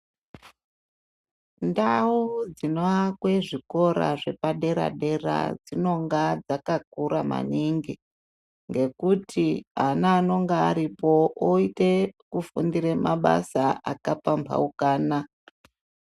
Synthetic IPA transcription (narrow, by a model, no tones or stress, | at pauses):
ndaud͡zinoakwe̞ʐiko̞ɾa̰ʐe̞paɗe̞ɾa̰ɗe̞ra̰d͡zino̞ŋɡad͡zakak̚uɾama̰niŋɡi | ŋɡe̞kutʰianaːno̞ŋɡaaɾipo̞oitekufundiɾemaɓa̰saakapampʰa̰ukaːna